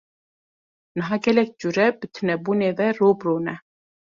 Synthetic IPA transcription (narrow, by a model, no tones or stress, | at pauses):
nɨɦɑɡɛlɛk̚d͡ʒuɾɛbɨt̪ʰɨnɛbuːneːvɛɾobɾoːnɛ